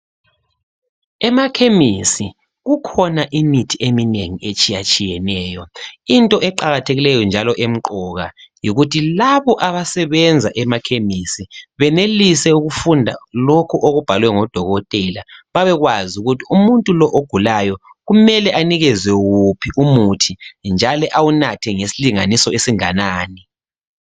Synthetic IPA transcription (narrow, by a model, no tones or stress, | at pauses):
ɛmakʰemisi | ɣukʰɔnaʔimitʰiemineŋiet͡ʃʼijat͡ʃʼijɛnɛːjɔintʼɔʔɛǃaɣatʰeɣilɛjɔnd͡ʒʱalɔʔem̩ǃɔɣa̰jiɣutʰilaβɔʔaβasɛβɛnd͡zʱaʔɛmakʰemisiβɛnelisɛuɣufundʱa̰lokʰuʔoɣub̥ʱalwɛŋɔd̥ʱɔɣɔtʼɛlaβaβɛɣwazuɣutʰiumuntʼulɔʔoɡ̥ʱulajɔɣumɛlɛʔaniɣɛzwɛɣupʰiʔumutʰind͡ʒʱalɛʔawunatʰɛŋesiliŋanisɔesiŋanaːni